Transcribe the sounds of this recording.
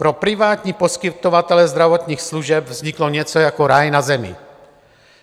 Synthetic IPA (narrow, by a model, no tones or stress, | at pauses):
pɾopɾivaːt̪ɲipɔskit̪ovat̪ɛlɛzd̪ɾavɔt̪ɲiːxsluʒɛbvzɲiklɔɲɛt͡sɔjakɔɾajnazɛmḭ